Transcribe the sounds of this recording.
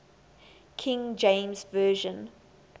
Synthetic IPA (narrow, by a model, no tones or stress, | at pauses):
kʰɪ̃ŋd͡ʒẽɪ̃mzvɜːʒə̃n